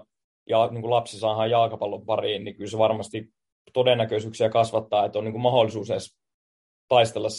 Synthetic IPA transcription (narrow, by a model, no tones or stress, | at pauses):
jɑniːŋkulɑpsisɑːhɑːjjɑːkɑpɑlːompɑriːnnikylseʋɑrmɑst̪i | t̪odenːækøsyːksiækɑsʋɑt̪ːɑːet̪ːˑoniːŋkumɑholːˑisuːseˑs | t̪ɑist̪elːɑs